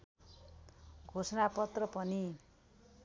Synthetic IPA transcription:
ɡʱosʌnapʌt̪rʌpʌni

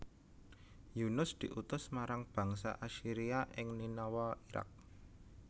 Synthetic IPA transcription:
junʊsd̪̥i̤ʔut̪ʊsmaɾaŋb̥ä̤ŋsa̰ʔaʃiɾiaʔɪŋninɔwɔiɾa̰k̚

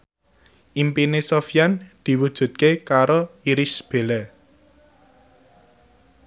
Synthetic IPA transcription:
ʔimpinesofijand̪̥i̤wud̥ʒ̥ṳt̪̚kekaɾoiɾisb̥e̤lɛ

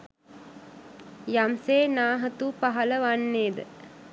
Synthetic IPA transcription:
jamseːnaːɦət̪upaɦɐləʋanːeːd̪ə̰

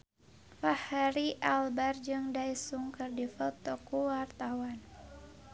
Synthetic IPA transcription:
fahaɾiʔalbard͡ʒɨŋdajsuŋkɨrdifəlt̪ɔkuwart̪auan

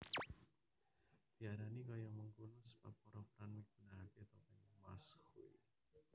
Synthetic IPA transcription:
d̪̥iaɾanikajaməŋɡunʊspa̰pɔɾɔpɾanmiɡ̥unaɦat̪iat̪awpaɲamashui

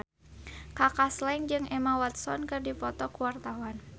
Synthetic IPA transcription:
kakaslaŋd͡ʒɨŋʔɛmawat̪̚sɔnkɨrdipɔt̪ɔkuwart̪awan

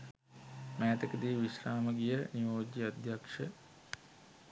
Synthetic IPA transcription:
mɛːt̪əkəd̪iːʋiʃraːməɡijəniʋoːd͡ʒiad̪ʱjakʂə

